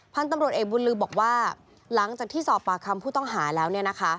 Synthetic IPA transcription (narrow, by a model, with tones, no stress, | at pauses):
pʰa˧nt̪a˧mɾu˨˩ət̪̚ʔeː˨˩k̚bu˧nlɯː˧bɔː˨˩k̚waː˥˩ | la˩˦ŋt͡ɕaː˨˩k̚t̪ʰiː˥˩sɔː˨˩pːaː˨˩kʰa˧mpʰuː˥˩t̪ɔ˥˩ŋɦaː˩˦lɛː˦˥wni˥˩ɐna˦˥kʰa˦˥